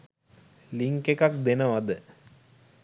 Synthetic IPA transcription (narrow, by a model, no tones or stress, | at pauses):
liŋkekak̚d̪enəʋad̪ə